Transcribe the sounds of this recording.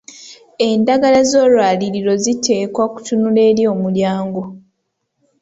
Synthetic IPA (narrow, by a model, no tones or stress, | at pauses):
e̞ndaɡalazo̞ːlwaːliɾiɾo̞zitʰe̞ːkwaku̥tunule̞ːɾjo̞ːmuɾjaːŋɡo̞